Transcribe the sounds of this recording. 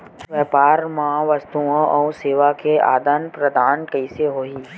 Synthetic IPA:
ʋɛːpaːɾmaʋəst̪uõʔɔːseːʋakea̰ːd̪anpɾɐd̪aːnkɐɪseɦoːiː

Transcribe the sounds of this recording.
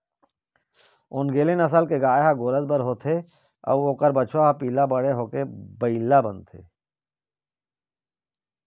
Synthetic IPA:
ʊnɡeːlenəsəlkeɡaːeɦaɡoːɾəzbəɾɦoːt̪ʰe | ɐ̰ʋoːkəɾbət͡ʃʰaɦapiːlabəɽeɦoːkebəilːabənt̪ʰḛː

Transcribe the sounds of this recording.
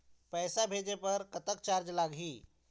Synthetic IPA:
pɛːsabʱeːd͡ʒepəɾkət̪ək̚t͡ʃaːɾd͡ʒlaːɡɦiː

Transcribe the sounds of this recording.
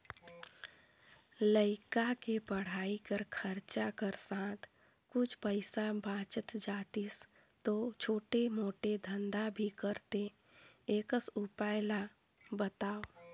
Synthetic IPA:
ləɪkakepəɽ̤aːikəɾkʰəɾt͡ʃakəɾsãːt̪ʰ | kʊt͡ʃʰpəɪsabaːt͡ʃət̪d͡ʒaːt̪is | t̪ot͡ʃʰoːʈemoːʈed̪ʱə̃nd̪abʱikəɾt̪e | eːkəsʊpaːɪla | bət̪aːo

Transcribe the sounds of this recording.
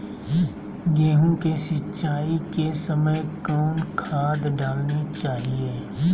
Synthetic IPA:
ɡeːɦũkesɪt͡ʃaːikesəməjkɔːnkʰaːd̪ɖaːlnit͡ʃaːɦieː

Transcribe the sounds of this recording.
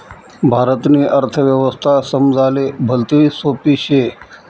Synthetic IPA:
bʱaːɾət̪niːʔəɾt̪ʰəʋjəʋəst̪ʰasəmd͡zʱalebʱəlt̪iisoːpiːɕe

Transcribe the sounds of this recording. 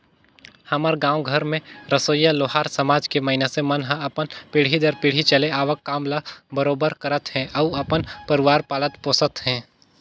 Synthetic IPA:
hɐməɾɡãːwɡʱəɾmẽɾɐsoːjaloːɦaːɾsɐmaːd͡ʒkemɐɦɪnesemɐnɦãɐpənpiːɽ̤id̪əɾpɪːɽ̤it͡ʃɐleaːʋəkːaːmlabɐɾoːbəɾkɐɾət̪ɦɛ̃ʔɐuɐpənpɐɾɪʋaːɾpaːlət̪põːsət̪hɛ̃ː

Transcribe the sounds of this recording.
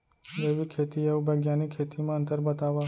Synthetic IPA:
d͡ʒeʋikʰet̪ieubəɡjanikʰet̪imãənt̪əɾbət̪aʋa

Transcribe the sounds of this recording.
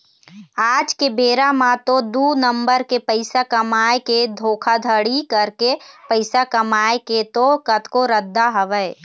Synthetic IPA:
aːd͡ʒkebeːɾamãt̪od̪uːnəmbəɾkepəɪsakəmaːeked̪ʱoːkʰad̪ʱəɽikəɾkepəɪsakəmaːeket̪okət̪koɾəd̪ːaɦəʋəj

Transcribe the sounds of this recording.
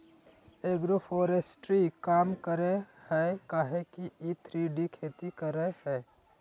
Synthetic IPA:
eːɡɾofʰoːɾesʈɾikaːmkəɾehɛkaːɦekiit̪ʰɾiːɖikʰeːt̪ikəɾehɛː

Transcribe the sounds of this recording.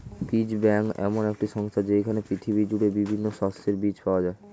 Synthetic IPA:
pid͡ʑbɛŋkɛ̰monɛk̚ʈiʃɔŋst̪ʰad͡ʑekʰanepɾit̪ʰibid͡ʑuʈebibʱinːoʃɔst̪eɾbit͡ɕpaoad͡ʑae

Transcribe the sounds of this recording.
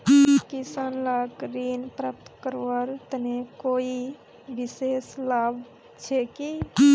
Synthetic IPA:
kisanlakɾinpɾəp̚t̪kəɾəɾt̪nekoi | biseslab | t͡ʃʰeki

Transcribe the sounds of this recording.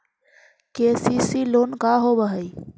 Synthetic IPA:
kesisilonkaɦobəɦəj

